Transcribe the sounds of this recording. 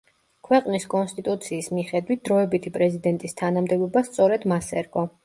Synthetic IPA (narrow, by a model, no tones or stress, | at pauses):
kʰwɛqʼniskʼɔnst̪ʼit̪ʼut̪sʰiːsmiχɛd̪wit̪̚d̪̥ɾɔɛbit̪ʰipʼɾɛzid̪ɛnt̪ʼist̪ʰanamd̪ɛbɔbast̪sʼɔɾɛd̪masɛɾɡʼɔ